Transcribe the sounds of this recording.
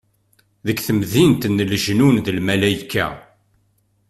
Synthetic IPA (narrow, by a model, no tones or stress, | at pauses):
ðəkːθəmðint̪nːəlʒnunðəlmælæjikːæ̰